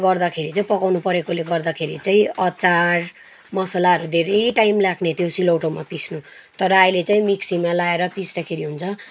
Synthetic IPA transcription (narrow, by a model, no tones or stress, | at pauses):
ɡʌrd̪akʰeɾit͡saĩpʌkawnupʌɾekoleɡʌrd̪akʰeɾit͡saĩʌt͡sar | mʌsalaɦʌɾud̪ʱeɾʌjʈaimlakʰnet̪ʰjosiloʈomapit͡sʰnu | t̪ʌɾʌajlet͡saĩmiksimalaeɾʌpisd̪akʰeɾiɦunt͡sʰʌ